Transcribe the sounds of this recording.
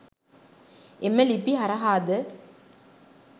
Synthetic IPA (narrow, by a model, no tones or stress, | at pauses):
emːelipːiɦɐɾɐɦaːd̪ə